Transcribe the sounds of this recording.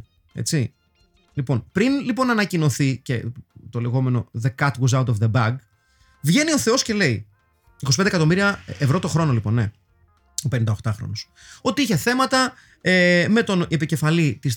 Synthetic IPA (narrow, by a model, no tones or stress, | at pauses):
e̞̰t͡si | lipo̞npɾinlipo̞nɐnɐcino̞θice̞t̪o̞le̞ɣo̞me̞no̞ðekɐt̪woz̬ɐwt̪ofðebɐɡ | vʝe̞nio̞θe̞o̞sce̞le̞i | ikosi̥pend̪ekɐt̪o̞miɾiɐevɾo̞t̪o̞xɾo̞no̞lipo̞nːe̞ | openind̪ɐoxt̪ɐxɾo̞̰nos | o̞t̪iiçe̞θe̞mɐt̪ɐ | eme̞t̪o̞ne̞pice̞fɐlit̪is